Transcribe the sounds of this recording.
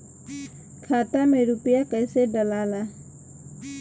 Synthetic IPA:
kʰaːt̪ameɾupijakəjseɖəlaːla

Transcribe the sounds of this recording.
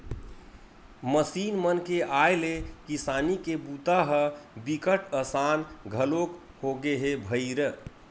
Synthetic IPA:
məsiːnmənkeʔajlekisaːnikebut̪aɦəbikəʈʰəsanɡʱəlok | hoɡeɦebʱəɪɾ

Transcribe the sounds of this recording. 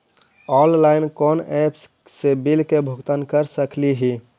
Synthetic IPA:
ɔllaɪnkɔnɛpsː | ebilkebʱuɡt̪ənkəɾsəkliɦi

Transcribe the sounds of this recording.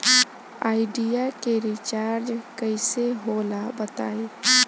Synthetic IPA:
aːɪɖijakeɾit͡ʃaːɾd͡ʒkəɪseɦoːlabət̪a̰ːi

